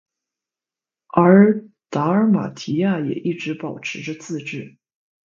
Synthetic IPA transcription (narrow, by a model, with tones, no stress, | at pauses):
ə˞˧˥ | t̪a˧˥ə˧˥ma̰˨˩t̪ʰi˧˥ja˥˩jɛ̰˨˩ʔi˥˩ʈ͡ʂɻ̩˧˥pɑ˨˩ʊʈ͡ʂʰɻ̩˧˥ʈ͡ʂə˧t͡sɹ̩˥˧ʈ͡ʂɻ̩˥˩